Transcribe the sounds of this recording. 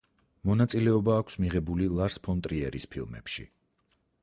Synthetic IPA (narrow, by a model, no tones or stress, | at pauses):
mɔnat̪sʼilɛɔbaːkʷʰsmiʁɛbulilˠaɾspʰɔnt̪ʼɾiɛɾispʰilˠmɛ̰pʃḭ